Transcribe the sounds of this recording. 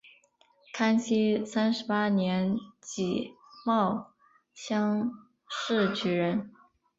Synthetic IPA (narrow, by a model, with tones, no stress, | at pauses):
kʰa˥nɕi˥sa˥nʂɻ̩˧˥pa˥njɛ˧˥nt͡ɕi˨˩ | mɑ˥˩ʊ | ɕjɑ˥ŋ | ʂɻ̩˥˩t͡ɕʰy˧˥ɻə˧˥n